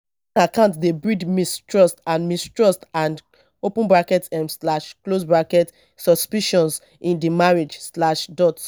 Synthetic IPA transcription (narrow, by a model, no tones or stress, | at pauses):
akãʊ̃ntdebɹidmistɹɔstãnmistɹɔstãnd | opũnbɹakɛtɛmslaʃklosbɹakɛt | sɔspiʃɔ̃ns | ĩndimaɹed͡ʒslaʃdɔt